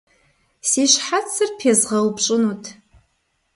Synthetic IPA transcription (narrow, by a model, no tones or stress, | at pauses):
siʃħat͡sʰːɨrpʰjazʁalbʈ͡ʂʼɨnutʰʼ